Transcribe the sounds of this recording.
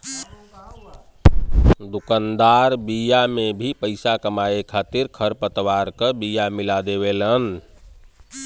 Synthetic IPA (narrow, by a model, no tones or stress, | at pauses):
d̪ukənd̪aɾbijamebʱipəɪsakəmaekʰat̪iɾkʰəɾpət̪ʋaɾkəbijamilad̪eβelən